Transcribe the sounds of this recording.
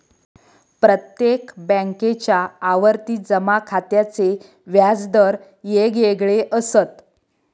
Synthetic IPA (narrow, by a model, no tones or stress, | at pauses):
pɾət̪jekbə̃ŋket͡ɕjaːʋəɾt̪iːd͡zəmakʰat̪jat͡se | ʋjad͡zd̪əɾ | jeɡjeɡɭeʔəsət̪